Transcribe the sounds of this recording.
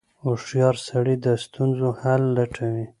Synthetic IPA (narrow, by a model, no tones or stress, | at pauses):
ʊʂjɑɾsaɽid̪əst̪unzohalːaʈʰawi